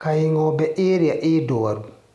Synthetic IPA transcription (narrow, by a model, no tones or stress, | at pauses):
kajiŋɔbɛʔeːɾijaʔeːdɔwaɾ